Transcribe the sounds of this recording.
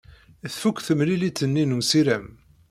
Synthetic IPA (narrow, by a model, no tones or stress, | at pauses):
θfukʷːθəmlilit͡s̪ːənːinumsiɾæm